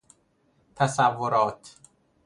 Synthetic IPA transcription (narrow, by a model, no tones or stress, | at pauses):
t̪ʰæsævːoɾɒːt̪ʰ